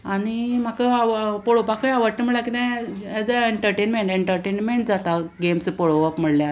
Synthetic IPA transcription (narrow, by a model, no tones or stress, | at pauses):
aɽ̃im̤akəaʋpɔɽopakəjaʋəɾʈ̪əm̤əɭlakit̪ɛ̃ɛd͡zaeɳʈəɾʈenmeɳʈeɳʈəɾʈenmeɳʈd͡zat̪aɡemspɔɽoʋapm̤əɽlja